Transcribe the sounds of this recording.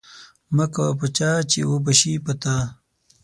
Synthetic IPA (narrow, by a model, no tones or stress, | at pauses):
mɐkapɐt͡ɕaːt͡ɕḭwobɐɕipɐt̪a